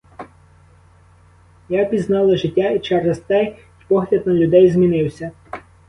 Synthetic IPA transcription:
japʲiznɑlˠɐʒɪtʲːait͡ʃɛrɐst̪ɛj | pɔɦlʲɐd̪̚nɐlʲʊd̪ɛjzmʲinɪwsʲɐ

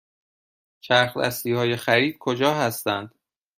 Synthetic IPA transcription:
t͡ʃʰæɾxlæ̰st̪iːhɒːje̞xæɾiːd̪̥̚kʰod͡ʒɒːɦæst̪ænd̪̥

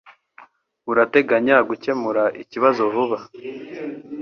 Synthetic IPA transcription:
uɾate̞ɡaɲaɡuce̞muɾaʔiciβazo̞vuβa

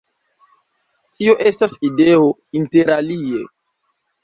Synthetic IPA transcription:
tio̞ʔe̞stasideo̞inteɾalie

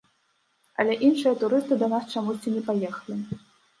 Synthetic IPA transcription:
ɐ̰lʲɛʔinʂɨjɐt̪uɾɨst̪ɨd̪ɐnast͡ʂamusʲt͡sʲinʲɛpajɛxɐlʲi

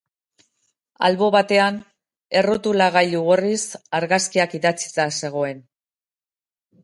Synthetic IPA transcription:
a̰lβo̞βat̪e̞an | e̞rot̪ulaɣajʎuɣurisaɾɣaskiakiðat͡si̥t͡s̪ase̞ɣ̞o̞e̞n

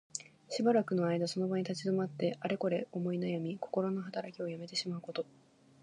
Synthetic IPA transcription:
ɕibaɾakɯ̟no̞aid̪aso̞no̞baɲ̟it̪at͡ɕid̪o̞mat̪ːe̞aɾe̞ko̞ɾe̞o̞mo̞inajamʲiko̞̥ko̞ɾo̞no̞ɦat̪aɾakʲio̞jame̞t̪e̞ɕimaɯ̟ko̞t̪o̞

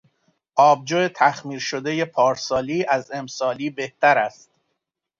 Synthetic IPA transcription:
ʔɒːb̚d͡ʒoːet̪ʰæxmiːɾʃod̪eje̞pʰɒːɾsɒːliːʔæze̞msɒːliːbe̞ht̪æɾæst̪̚

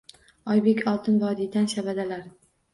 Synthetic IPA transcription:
ɒjbekʲʰɒlˠt̪ʰɪnvɒd̪id̪anʃabad̪alaɾ

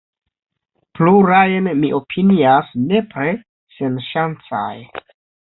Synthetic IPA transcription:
pluɾajnmiʔo̞pʰiniasne̞pɾe | senʃant͡sa̰j

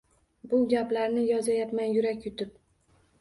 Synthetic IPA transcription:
bʊɡʲaplaɾnɪjɒzajap̪manjʊɾakʲjʊt̪ʰɪp̚

